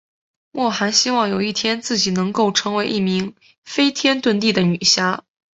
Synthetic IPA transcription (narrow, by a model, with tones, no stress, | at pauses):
mwɔ˥˩xa˧˥nɕi˥wɑ˥˩ŋjo˨˩ʊi˥˩t̪ʰjɛ˥nt͡sɹ̩˥˩t͡ɕi˨˩nɤ˧˥ŋko˥˩ʊʈ͡ʂʰɤ˧˥ŋwe˧˥ɪʔi˥˩mi˧˥ŋ | fe˥ɪt̪ʰjɛ˥nt̪wə˥˧nt̪i˥˩d̪ə˩ny˨˩ɕja˥